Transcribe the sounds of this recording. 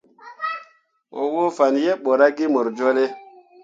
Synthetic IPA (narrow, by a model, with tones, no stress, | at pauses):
wo̰˨wo˦fa˨nje˦ɓo˨ɾa˦ɡi˦mo˨ɾd͡ʒo˦le˦